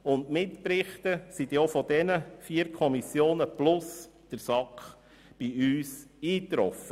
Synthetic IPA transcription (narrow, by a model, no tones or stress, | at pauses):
ʊntmɪtpɾɪχt̪əsid̪iofɔd̥ɛnəfiːəɾkʰɔmisjoːnəplʊs | d̥əɾsɑkχ | b̥iyːsiːt̪ɾɔfə